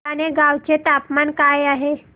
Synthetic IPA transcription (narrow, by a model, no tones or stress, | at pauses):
aɽ̃eɡawt͡ɕet̪apmankajaɦe